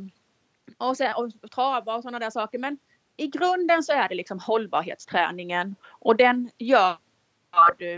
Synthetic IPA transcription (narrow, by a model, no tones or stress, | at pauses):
ɔsɛnɔt̪ʰɾɑːvaɔsɔnːad̪æːʂɑːkəɾmɛn | ɪɡɾɵnd̪ənsɔæɖɛlɪksɔmhɔlbɑ̰ːɾɦḛːt̪st̪ʰɾɛ̰ːnɪŋənʔɔd̪ɛnjœːɾ | vɑɖɵ